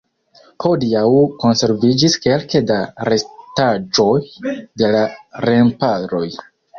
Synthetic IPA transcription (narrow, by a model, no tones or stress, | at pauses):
hodiawko̞nse̞ɾvid͡ʒiske̞lkedaɾe̞stad͡ʒo̞jde̞laɾe̞mpaɾo̞j